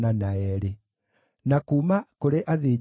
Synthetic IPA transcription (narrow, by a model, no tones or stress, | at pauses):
nanaɛɾe | nakuːmakoɾeʔaðeː